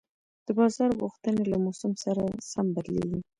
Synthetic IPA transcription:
d̪̥əbɑzɑɾɣuxt̪ənelamosʊmsaɾasambaɾlḛwi

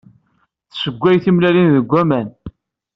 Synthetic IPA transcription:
θsəɡʷːæjθimlælinðəɡʷːæmæn

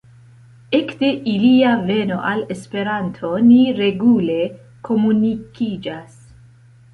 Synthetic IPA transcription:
e̞kde̞ʔiliave̞no̞ʔale̞spe̞ɾantʰo̞niɾe̞ɡule̞ | kʰo̞munikid͡ʒas

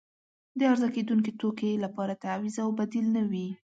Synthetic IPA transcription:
d̪əaɾzaked̪uŋk̬et̪okelapɑɾat̪awizawbad̪ilnawi

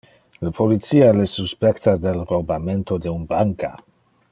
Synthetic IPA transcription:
lapʰolit̪sialesuspɛkt̪ad̪elrobament̪od̪eunbaŋka̰

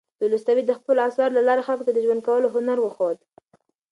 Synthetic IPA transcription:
d̪̥ulust̪awid̪əxpəloasɑɾlalɑɾexalkot̪ad̪əʒwand̪̚kawəloɦʊnaɾwəxod̪

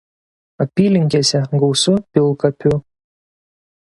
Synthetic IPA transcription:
ɐpʲiːlʲɪŋʲkʲeːsʲɛɡɐʊsʊpʲɪlˠkɐpʲʊ

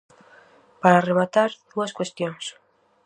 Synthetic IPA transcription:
paɾaremat̪aɾð̥uaskwest̪joŋs

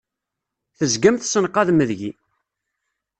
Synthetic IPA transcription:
θəzɡæmθsənqːɑðməðʝi

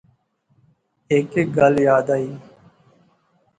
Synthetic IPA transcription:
ekeɡəljaːd̪aːiː

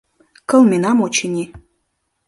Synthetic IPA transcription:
kɤ̆lˠmʲinɑmot͡ɕinʲi

